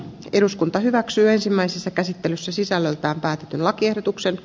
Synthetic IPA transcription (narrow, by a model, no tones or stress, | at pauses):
e̞ɾuskunt̪ɑɦyʋæksyːe̞nsimːæisesːɑkæsit̪ːelysːæsisælːølt̪æːmpæːt̪et̪ynlɑkiehdot̪uksen